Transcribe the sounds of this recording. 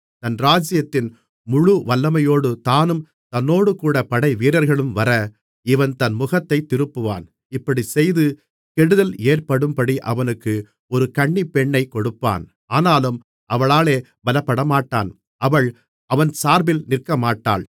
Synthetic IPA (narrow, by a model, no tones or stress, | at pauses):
t̪ɐnɾaːd͡ʒɪjɐt̪ːɪn | mʊɻʊʋɐlːɐmɐjoːɽɯt̪aːnɯm | t̪ɐnːoːɽɯkuːɽɐpɐɽɐɪʋiːɾɐɾɣɐɭɯmʋɐɾɐ | ɪʋɐnt̪ɐnmʊɣɐt̪ːɐɪt̪ːɪɾɯpːɯʋa̰ːn | ɪpːɐɽisɛjðɯ | kɛɽɯðɐleːrpɐɽɯmpɐɽiʔɐ̰ʋɐnɯkːɯ | ɔɾɯkɐɳːipːɛɳːɐɪkɔɽɯpːa̰ːn | aːnaːlɯm | ʔɐʋɐɭaːleː | bɐlɐpːɐɽɐmaːʈːa̰ːn | ɐʋɐɭ | ɐʋɐnsaːɾbɪlnɪrkɐmaːʈːa̰ːl